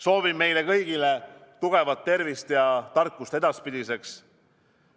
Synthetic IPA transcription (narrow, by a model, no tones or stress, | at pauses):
so̞ːvimːe̞jlekɤjɡ̥ilet̪uɡ̥e̞vɑt̪ːe̞rvist̪jɑt̪ɑrkːˑust̪e̞d̪̥ɑspid̪̥ise̞ks